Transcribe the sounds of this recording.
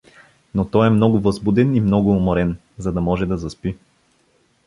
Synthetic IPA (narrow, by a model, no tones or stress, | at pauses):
not̪ɔjɛmnɔɡʊvɐzbud̪ɛnimnɔɡʊːmoɾɛn | zɐd̪ɐmɔʒɛd̪ɐzɐspi